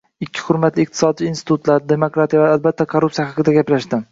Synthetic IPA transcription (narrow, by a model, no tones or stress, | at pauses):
ɪkʲʰːɪ̥hʊɾmat̪lɪɪq̚t̪ʰɪ̥sɒd̪̚t͡ʃɪiːnst̪ɪ̥t̪ʰut̪laɾd̪e̞mokɾat̪ʰijavaalbat̪ʰːakʰoɾupsijahɑqɨd̪aɡʲaplaʃd̪ɪ